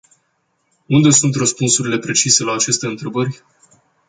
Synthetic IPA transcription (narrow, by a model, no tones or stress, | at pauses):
und̪e̞sunt̪rəspunsuɾile̞pɾe̞t͡ʃise̞laːt͡ʃe̞st̪e̞ɨnt̪ɾe̞bərʲ